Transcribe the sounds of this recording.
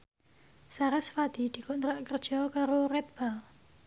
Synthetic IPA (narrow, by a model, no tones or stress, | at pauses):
saɾasfad̪̥i̤d̪̥i̤kont̪ɾaʔkərd̥ʒ̥ɔ̤kaɾoɾɛt̪̚b̥al